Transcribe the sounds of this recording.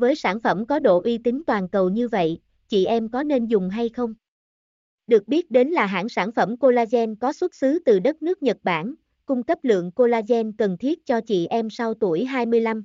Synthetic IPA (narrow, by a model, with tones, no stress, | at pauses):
vəː˨˦jsaː˧˩nfə˧˩mkɔ˨˦ɗo̰˧˨ʔwi˧t̪ï˨˦ŋ̟t̪waː˨˩nkə˨˩wɲɨ˧və̰˧˨j | t͡ɕḭ˧˨ʔɛ˧mkɔ˨˦ne˧nzʊ˨˩ŋ͡mɦa˧jxə˧wŋ͡m | ɗɨ˨˩ək̚ɓi˦˥ət̚ɗe˨˦nlaː˨˩ɦa̰ː˧˥ŋsaː˧˩nfə˧˩mko˧laː˧zɛ˧nkɔ˨˦swə˦˥t̚sɨ˨˦t̪ɨ˨˩ɗə˦˥t̚nɨ˦˥ək̚ɲə˨˩t̚ɓaː˧˩n | kʊ˧ŋ͡mkə˦˥p̚lɨ̰˧˨əŋko˧laː˧zɛ˧nkə˨˩nt̪ʰi˦˥ət̚t͡ɕɔ˧t͡ɕḭ˧˨ʔɛ˧msa˧wt̪u˧˩əjɦaː˧jmɨ˧əjla˧m